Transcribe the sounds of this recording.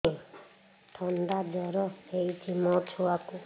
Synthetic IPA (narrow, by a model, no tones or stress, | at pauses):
ʈʰɔnd̪ad͡ʒɔɾɔejt͡ʃʰimɔt͡ʃʰuaku